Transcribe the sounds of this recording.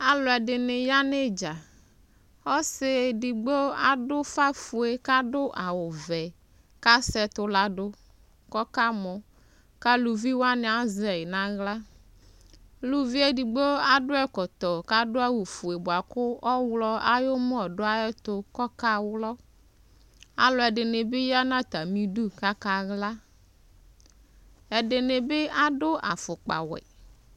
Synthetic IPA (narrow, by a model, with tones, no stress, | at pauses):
a˨lɔ˨ɛ˨ɖɪ˨nɪ˨ja˦ne˦d͡ʒa˨ | ɔ˦sɪ˨di˨ɡ͡be˦a˨dʊ˦fa˦fu˨e˨ka˦ɖʊ˦ʔa˨wʊ˨vɛ˨ | ka˦sɛ˨t̪ʊ˨la˨ɖʊ˦ | kɔ˦ka˦mɔ˨ | ka˦lu˨vi˦wa˦ne˨a˨zɛ˨ɪ˨nã˦ɣla˦ | lu˦vi˦ɛ˦di˨ɡ͡bo˦a˦dʊ˦ɛ˦kɔ˨t̪ɔ˨ka˦dʊ˦a˦wu˨fu˨e˨bʊ˨a˨kʊ˦ɔ˦wlɔ˦a˦jo˦m˦ɔ˨ɖʊ˦a˦ɛ˦t̪ʊ˨kɔ˦ka˦wlɔ˦ | a̰˨lɔ˨ɛ˨ɖɪ˨nɪ˨bɪ˦ja˦nã˦t̪a˨mĩ˦du˦ka˦ka˨ɣla˦ | ɛ˨dɪ˨ne˨bɪ˦a˦dʊ˦ʔa˨fʊ˨k͡pa̰˨wɛ̰˨